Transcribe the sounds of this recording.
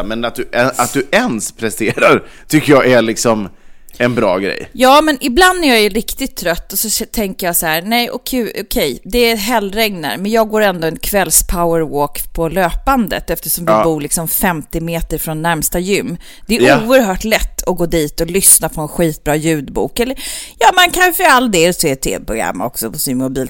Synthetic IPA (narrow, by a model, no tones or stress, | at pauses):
mɛnat̪̚d̪ɵʔɛat̪̚d̪ɵɛnspʰɾɛst̪eːɾaɾ | t̪ʰʏkːəjɑɡælɪksɔm | ɛnbɾɑ̰ːɡɾɛ̰jjɑːmɛnɪbland̪æɾjɑjɵɾɪkt̪ɪt̪ʰːɾœt̪ːɔsɔɛt̪ʰɛŋkəɾjɑːsahæːɾnɛjʔɔkʰʉːɔkʰɛjd̪ɛæɦɛlːɾɛŋna̰ɾmɛnjɑːɡɡoːɾɛnd̪oɛnkʰvɛlspʰaʊəɾwoːkpʰɔløːpand̪ə̰t̪ɛft̪əʂɔmvɪbuːɭɪksɔmfɛmt̪ɪmeːt̪əɾfɾɔnːæɾmst̪ajʏmː | d̪̥ɛæɾuːəɾɦœːʈlɛt̪ːɔɡoːd̪iːt̪ɔlʏsnapʰɔɛnɧiːt̪̚bɾɑːjʉ̟ːd̪bṵːkɛlːəɾjɑːmankʰanfəalːd̪eset̪ʰḛːpʰɾʊ̰ɡa̰mːɔ̰ksɔpɔsɪnmʊbiːl